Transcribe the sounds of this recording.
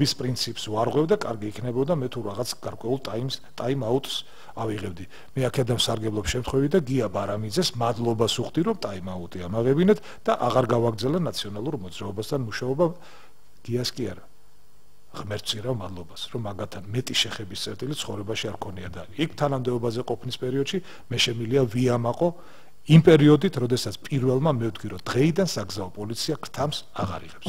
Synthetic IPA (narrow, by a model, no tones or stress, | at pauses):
bispʼɾint̪sʰipʼsvaɾʁwɛvd̪akʼaɾɡiːkʰnɛbɔd̪amɛt̪ʰuɾaʁat̪sʰɡ̥aɾkʼwɛulˠt̪ʼaimst̪ʼaimaut̪ʼs | aviʁɛbd̪i | mɛakʰɛd̪anmsaɾɡɛblˠɔpʃɛmt̪χwɛvid̪aɡiabaɾamid̪zɛsmad̪lˠɔbasuχd̪iɾɔmt̪ʼaimaut̪ʼiamaʁɛbinɛt̪ʰ | d̪̥aʔaʁaɾɡavaɡɾd̪zɛlanat̪sʰiɔnalˠuɾmɔd̪zɾaɔbast̪ʰanmuʃaɔba | ɡ̥iaskʼia̰ɾa | ʁmɛɾt̪ʰsʼiɾavmad̪lˠɔbasɾɔmaɡat̪ʰanmɛt̪ʼiʃɛχɛbist̪sʼɛɾt̪ʼilit̪sʰχɔvɾɛbaʃiaɾkʰɔniad̪aɾiikʰt̪ʰanamd̪ɛɔbazɛqʼɔpʰnispʼɛɾiɔd̪ʃi | mɛʃɛmiliaviamaqʼɔ | impʼɛɾiɔd̪it̪ʰɾɔd̪ɛsat̪sʰpʼiɾvɛlˠmamɛvd̪ɡʰiɾɔd̪̥ʁɛid̪ansaɡzaɔpʼɔlit̪sʰiaɡɾt̪ʰamsaʁa̰ɾḭʁɛps